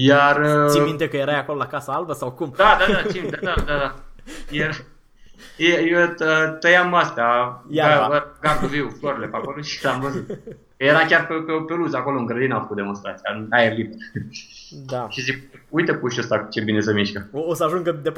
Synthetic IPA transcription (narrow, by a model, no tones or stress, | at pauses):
jarəivint̪ekəjeɾajako̞lolakasəalbəsawkumd̪ad̪aaiid̪ad̪ad̪ad̪ajeɾ | jeət̪ət̪əjamast̪eajaaəɡat̪uviwfloɾelepakoloʃi̥lamvəzut̪ | kjeɾakʲarpepepeluzako̞loɨŋɡɾəd̪inafə̥kut̪d̪emo̞nst̪ɾat̪sijanaerliber | d̪aʃizikujt̪epuʃəst̪aku̥t͡ʃe̞binesəmiʃkəoosəaʒuŋɡəd̪ep